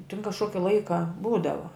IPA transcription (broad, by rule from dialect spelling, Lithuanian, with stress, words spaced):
tʲɪn kɐʃˈkoːkʲɪ ˈlˠɐɪkɐ ˈbuːdɐʋɐ